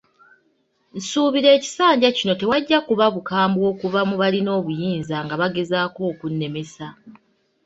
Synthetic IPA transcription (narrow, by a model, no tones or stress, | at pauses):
n̩suːβiɾe̞ːci̥saːɲɟacino̞te̞waɟːakuβaβukaːmbwo̞ːkuvamuβalino̞ːβujiːnzaŋɡaβaɡe̞zaːko̞ːkunːe̞me̞sa